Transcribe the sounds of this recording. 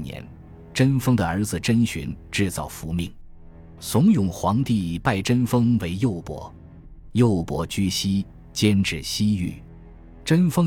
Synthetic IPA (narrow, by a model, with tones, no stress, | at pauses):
njɛ̰˧˥n | ʈ͡ʂə˥nfɤ˥ŋd̪ə˨ə˞˧˥d͡zɹ̩˨ʈ͡ʂə˥nɕy̰˧˥nʈ͡ʂɻ̩˥˧t͡sɑ˥˩ʊfu˧˥mi˥˩ŋ | sʊ˧˥ŋjʊ˨˩ŋxwɑ˧˥ŋt̪i˥˧pa˥˩ɪʈ͡ʂə˥nfɤ˥ŋwe˧˥ɪjo˥˩ʊpwɔ̰˧˥ | jo˥˩ʊpwɔ̰˧˥t͡ɕy˥ɕi˥ | t͡ɕjɛ˥nʈ͡ʂɻ̩˥˩ɕi˥y̰˥˩ | ʈ͡ʂə˥nfɤ˥